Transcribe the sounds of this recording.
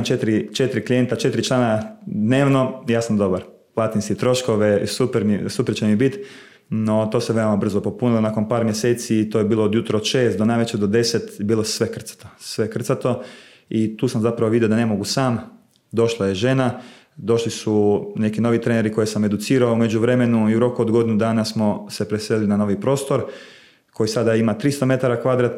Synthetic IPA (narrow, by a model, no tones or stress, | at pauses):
mt͡ʃet̪ɾit͡ʃe̞t̪ɾiklije̞nt̪at͡ʃe̞t̪ɾit͡ʃlˠaːnad̪ne̞ːʋno̞jaːsamd̪o̞baɾ | lˠat̪inskit̪ɾo̞ʃkoʋeisupeɾmisupeɾt͡ɕemibit̪ | no̞t̪oseʋe̞omabr̩zopo̞punilˠonaːkonpaːɾmjese̞ːt̪sit̪oːjebiːlood̪jut̪ɾood̪ʃe̞ːst̪̚d̪onaːjʋet͡ɕed̪od̪e̞set̪biːlˠosʋe̞kr̩t̪sḁt̪osʋe̞kr̩t̪sat̪o̞ | it̪uːsamzapɾaʋoʋid̪jod̪ane̞mo̞ɡusaːm | d̪o̞ʃlˠaje̞ʒe̞na | d̪o̞ʃlisune̞kino̞ʋit̪ɾe̞neɾiko̞jesame̞d̪ut̪siːɾaoume̞d͡ʑuʋɾe̞me̞nuiuɾo̞kuod̪ɡo̞d̪inud̪aːnasmo̞se̞pɾesellinano̞ːʋipɾo̞ːst̪o̞ɾ | ko̞jisad̪aimat̪ɾist̪o̞me̞t̪aɾakʋad̪ɾat̪